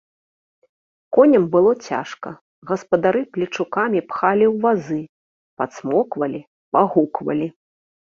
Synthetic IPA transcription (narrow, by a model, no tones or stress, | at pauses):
kɔnʲɐmbɨlˠɔt͡sʲa̰ʂkɐ̰ | ɣɐspɐd̪aɾɨplʲit͡ʂukamʲipxalʲiwvazɨ | pat̪smɔkvɐlʲi | paɣukvɐ̰lʲi